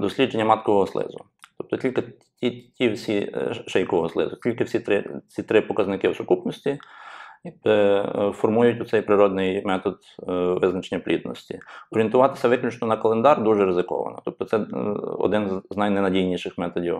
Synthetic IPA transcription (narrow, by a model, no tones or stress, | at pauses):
d̪ɔsʲlʲid͡ʒenʲːɐmɑt̪kɔʋɔɦɔslˠɪ̰zʊ | t̪ɔp̚t̪ɔtʲilʲkɪ | tʲitʲiwsʲiʃɛjkɔʋɔɦɔslˠɪ̰zʊtʲilʲkɪwsʲit̪ɾɪt͡sʲit̪ɾɪpɔkɐznɪkɪwsʊkupnɔsʲtʲi | fɔrmujʊtʲʊt̪ɛjpɾɪɾɔd̪nɪjmɛt̪ɔd̪ | ʋɪznɐt͡ʃenʲːɐplʲḭd̪nɔ̰sʲtʲḭɔɾʲent̪ʊʋɑt̪ɪ̥sʲɐʋɪklʲʊt͡ʃnɔnɐkɐlˠend̪ɑrd̪uʒɛɾɪzɪkɔ̰ʋɐ̰nɔ̰t̪ɔp̚t̪ɔsɛɔ̰d̪ɪnzznajnɛnɐdʲijnʲiʃɪxmɛt̪ɔdʲiw